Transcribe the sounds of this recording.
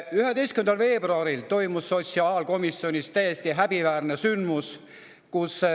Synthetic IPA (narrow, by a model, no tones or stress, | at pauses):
yɦed̪e̞jst̪kymend̪ɑlve̞ːbruɑɾilt̪o̞jmusːo̞t̪ʲsiɑːlko̞misːio̞nʲist̪æjest̪iɦæb̥ivæːrnesynd̪mus | kus